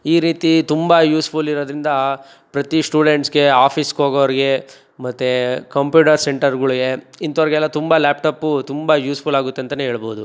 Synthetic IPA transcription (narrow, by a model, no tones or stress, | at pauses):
iːɾiːt̪it̪umbɐjuːspʰuliɾoːd̪ɾind̪ɐ | pɾɐt̪isʈuːɽeɳʈsɡe̞aːpʰiskoːɡɐʋɐɾiɡe̞ | mɐt̪ːekɐmpjuːʈɐɾseɳʈɐɾɡɐɭiɡe̞int̪ɐʋɾɛɡɛlːɐt̪umbɐlaːpʈɐːpːut̪umbɐjuːspʰulaːɡut̪ːent̪ɐneːɦeːɭboːud̪u